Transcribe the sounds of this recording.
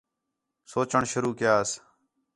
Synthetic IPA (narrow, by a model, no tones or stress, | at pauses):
soːt͡ʃəɳʃʊɾuːkɪjaːs